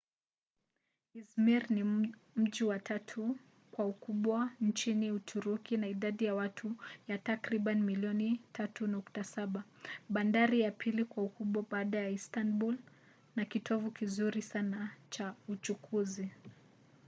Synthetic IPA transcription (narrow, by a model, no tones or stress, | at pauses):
izmiɾni | m̩ʄiwatʰatʰu | kwaukuɓwant͡ʃiniutʰuɾukinaiɗaɗijawatʰujatakɾiɓanimiliɔnitʰatunuktasaɓaɓandaɾijapʰilikwaukuɓwaɓaːɗajaistanbul | nakitʰɔvukizuɾisanat͡ʃaut͡ʃukʰuzi